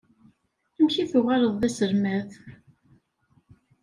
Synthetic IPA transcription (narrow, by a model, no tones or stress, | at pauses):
æmçiθʊʁɑɾəðˤðæsəɾmæθ